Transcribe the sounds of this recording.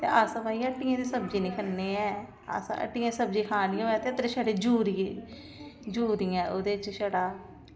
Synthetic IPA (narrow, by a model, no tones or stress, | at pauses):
t̪ḛːʔaːsãːbaːiəʈːɪjãːd̪eːsəbd͡ʒiːnĩːkʰəeːɛː | a̰ːsã̰ːʔə̰ʈːiːãːsəb̚d͡ʒiːkʰaːnĩːoːjaːt̪eːət̪ɾeːʃəɽeːd͡ʒuːɾiː | d͡ʒuːɾiːɛ̃ːʔoːd̪eːt͡ʃʃəɽaː